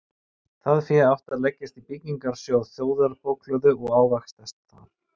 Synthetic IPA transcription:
θaðfɪawht̪aðlɛcːɪst̪ipɪciŋkaɾ̥sjoaðθjoːwðaɾpowkʰlœðʏɔɣaːwvaxst̪ast̪θan

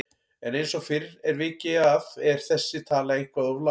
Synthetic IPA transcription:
ɛnejnsɔɣfɪɾɛɾvɪːcɪavɛɾ̥θɛsːɪt̪ʰaːlaɣeŋ̥kvaðɔvla

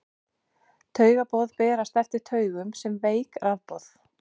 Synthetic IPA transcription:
t̪ʰœːɥɣapɔðpɛːɾast̪ɛft̪ɪɾ̥t̪ʰœːɥɣʏmsɛmveːjkrʔaðpɔθ

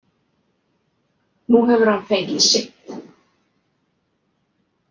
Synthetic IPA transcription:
nuɦɛvʏɾ̥hanfeŋcɪsɪht̪

